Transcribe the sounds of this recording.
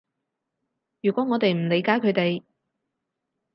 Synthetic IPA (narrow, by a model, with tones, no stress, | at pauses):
jyː˨˩kʷɔː˨˥ŋɔː˨˧t̪e˨jm̩˨˩le˨˧jkaː˨˥jkʰɵ˨˧ɥt̪e˨j